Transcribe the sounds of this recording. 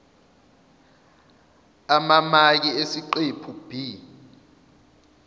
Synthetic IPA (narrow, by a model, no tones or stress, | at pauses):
amamak̬iesiǃepʰub̥ʱi